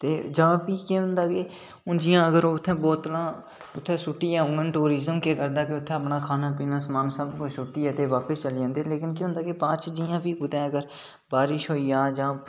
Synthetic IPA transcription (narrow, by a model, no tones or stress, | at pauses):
t̪eːd͡ʒãːpiːkeːɦʊ̃nd̪aːkeː | ʊnd͡ʒɪjãːəɡəɾoːt̪ʰːɛ̃ːbɔːt̪ːəlãː | ʊt̪ʰːɛ̃ːsʊʈːijɛːɦʊ̃ːɡənʈuːɾiːzəmkeːkəɾd̪aːkeʊt̪ʰːɛ̃əpnaːkʰaːnaːpiːnaːsmaːnsəbkʊsʊʈːiɛːt̪eːʋaːpəst͡ʃəld͡ʒãːnd̪eːleːkɪnkeːɦʊ̃ːnd̪aːkepãːt͡ʃd͡ʒijãːpiːɡʊd̪ɛ̃ːəɡəɾ | baːɾɪʃɦoːiːãːd͡ʒãː